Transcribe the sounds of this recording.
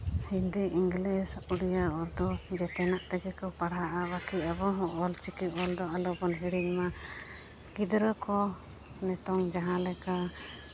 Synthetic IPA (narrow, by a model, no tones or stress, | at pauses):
hind̪iʔiŋɡlisuɽijaɔɾd̪ɔd͡ʒɛt̪ɛnaʔt̪ɛɡɛkɔpaɽaʔabakiabɔɦɔ̃ʔɔlt͡ʃikip̚ɔld̪ɔalɔbɔnɦiɽiɲma | ɡid̪ɾɔkɔ | nɛt̪ɔŋd͡ʒaɦãlɛka